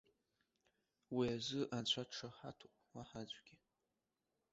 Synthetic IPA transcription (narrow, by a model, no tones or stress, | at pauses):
wiazɨʔant͡ɕʷʰaʈ͡ʂʰaħa̰tʰuʔʼmaħad͡ʒʷʼɡʲi